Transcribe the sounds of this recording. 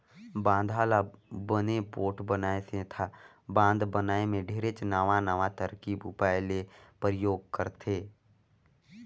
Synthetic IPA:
bãːnd̪ʱaːlabənepoːʈbənaːesẽt̪ʰa | bãːnd̪bənaːemẽɖʱeːɾet͡ʃnəʋãnəʋãt̪əɾkiːbʊpaːɪlepɾəjoːɡ̚kəɾt̪ʰeː

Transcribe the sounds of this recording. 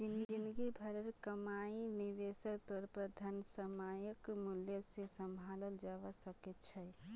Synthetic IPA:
d͡ʒinind̪ɡibʱəɾəɾkəmainiʋesəɾt̪ɔɾpəɾd̪ʱənəsəmajəkmuljəsesəmbʱaləld͡ʒabasəkɛt̪t͡ʃʰɛ

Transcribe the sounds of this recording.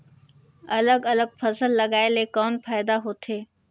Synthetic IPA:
ɐləɡɐləɡ̚pʰɐsəlːɐɡaːelekɔːnpʰaːɪd̪aɦoːt̪ʰeː

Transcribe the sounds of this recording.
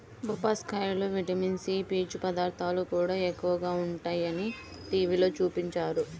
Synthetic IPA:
bupaːskɐjloːʋiʈɐminsiːpiːt͡ʃupɐd̪aːɾt̪ʰaːlukuːɽaːekːuʋɐɡaːuɳʈaːjɐni | ʈiːʋiːlo̞ːt͡ʃuːpiɲt͡ʃaːɾu

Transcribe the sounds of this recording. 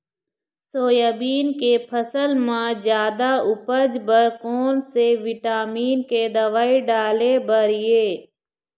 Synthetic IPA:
soːjəbiːnkepʰəsəlmãd͡ʒjaːd̪aʊpəd͡ʒbəɾkoːnseʋɪʈaːmiːnked̪ɐʋaːiɖaːlebəɾɪjeː

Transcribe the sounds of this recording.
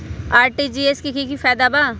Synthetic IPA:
aːɾʈid͡ʒiːeskikikifɛːd̪abaː

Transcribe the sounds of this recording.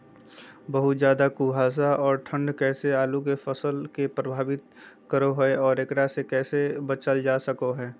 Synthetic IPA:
bɐɦʊt̪zjaːd̪akuːɦaːs̬aɔːɾʈʰə̃ɳɖkɛːseaːluk̬efɐsəlkepɾəbʱaːʋɪt̪̚ | kəɾoɦoeɔːɾekɾasekɛːsebət͡ʃəld͡ʒaːsəkoɦɛː

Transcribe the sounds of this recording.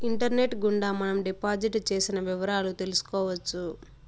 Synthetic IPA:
iɳʈɐɾne̞ʈɡuɳɖaːmɐnɐmɖipaːd͡ʒiʈt͡ʃe̞ːsinɐʋiʋɐɾaːlut̪e̞lusu̥kɔːʋɐt͡ʃːu

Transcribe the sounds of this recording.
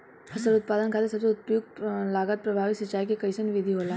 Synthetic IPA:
ɐsəɾʊt̪̚paːd̪ənkʰaːt̪esɐbseʊt̪̚pjuːɡ̚laːɡət̪̚pɾɐbʱaːʋɪt̪sɐt͡ʃaːikekɐɪsənʋɪd̪ʱiɦoːla

